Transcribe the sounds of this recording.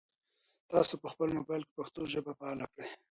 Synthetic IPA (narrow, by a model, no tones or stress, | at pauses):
t̪ɑsopəxpəlmobɑjlke̥paxt̪oʒəbapaalakɽe